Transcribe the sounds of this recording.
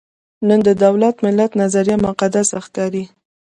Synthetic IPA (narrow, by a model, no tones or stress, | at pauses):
nənd̪əd̪awlat̪mɪlːat̪nazaɾijamʊqad̪asaxkɑɾi